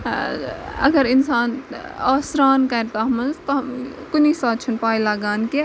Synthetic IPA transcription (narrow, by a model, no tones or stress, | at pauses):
ɐɡəɾinsaːnɐsɾaːnkɐɾt̪aɦɐmɐnzt̪ɔɦmkunisaːt̪̚t͡ʃʰunpaːilaːɡaːnke